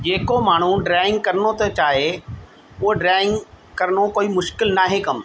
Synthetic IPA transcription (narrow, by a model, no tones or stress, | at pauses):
d͡ʑeːkomaːɽ̤ũɖɾaːɪ̃ŋɡ̚kɐɾənot̪ɐt͡ɕaːɦe | ʊɦoɖɾaːɪ̃ŋɡ | kɐɾənokoːimʊʃkɪlnaːɦekɐm